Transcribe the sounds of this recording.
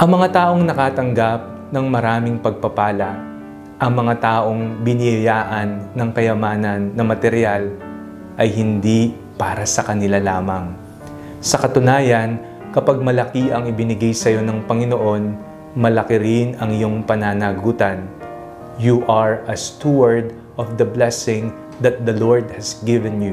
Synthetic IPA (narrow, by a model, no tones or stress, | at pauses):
ʔɐŋmɐŋat̪aːʔo̞ŋnɐkaːt̪ɐŋɡap̚ | nɐŋmɐɾaːmɪŋpɐɡ̚pɐpaːlɐ | ʔɐŋmɐŋat̪aːʔo̞ŋbɪnɪjɐjaːʔɐnːɐŋkɐjɐmaːnɐnːɐmɐt̪ɛɾjal | ʔɐjɦɪnd̪i | paːɾɐsɐkɐnɪlalaːmɐŋ | sɐkɐt̪ʊnaːjɐn | kɐpaɡ̚mɐlɐkiʔɐŋɪbɪnɪɡajsɐjo̞nɐŋpɐŋɪno̞ʔo̞n | mɐlɐkɪɾɪnɐŋɪjo̞ŋpɐnaːnaɡuːt̪ɐn | juʔɐɹʔɐst̪uwɐɹd̪ | ʔɔfd̪ɐblɛsɪŋ | d̪ɐt̪̚d̪ɐloɹd̪̚hɐsɡɪvɛnju